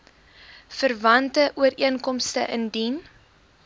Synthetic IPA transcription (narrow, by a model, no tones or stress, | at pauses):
fərvɐntəʔuəɾiənkɔmstə̰ʔəndin